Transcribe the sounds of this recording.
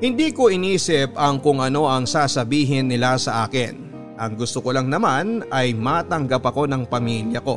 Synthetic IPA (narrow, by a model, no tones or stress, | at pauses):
hɪnd̪iːko̞ʔɪniːsɪp̚ɐŋkʊŋʔɐno̞ʔɐŋsaːsɐbiːɦɪnːɪlasɐʔaːkɪn | ʔɐŋɡʊst̪okolɐŋnɐmanɐjmat̪ɐŋɡɐpɐko̞nɐŋpɐmiljɐko̞̰